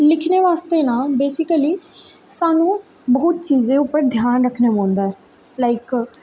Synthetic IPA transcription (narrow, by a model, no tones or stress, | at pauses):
lɪkʰneːʋaːst̪eːnãːbeːsɪkəliː | saːnũː | boːt̪̚t͡ʃiːzẽːʊpːəɾd̪ʱjaːnɾəkʰnemõːnd̪aːɛː | laːɪk